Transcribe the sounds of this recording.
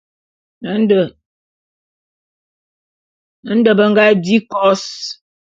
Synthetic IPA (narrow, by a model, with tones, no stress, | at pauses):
nə˨˦n˦də˨ | nə˨˦n̩˦də˨bə˦ŋ˦ɡa˦di˦kɔ˦s